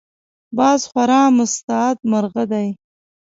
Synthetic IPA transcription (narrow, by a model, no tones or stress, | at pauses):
bɑzxwaɾɑmʊst̪ɑːt̪maɾɣad̪aj